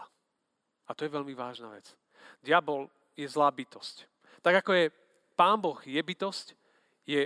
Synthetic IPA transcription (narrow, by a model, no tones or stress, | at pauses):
at̪ɔjɛʋɛlmiʋaːʒna̰ʋɛt͡s | d̪ɪabɔl | jɛzlaːbit̪ɔsc | t̪aɡakɔjɛ | paːnbɔɣjɛbit̪ɔsc | jɛ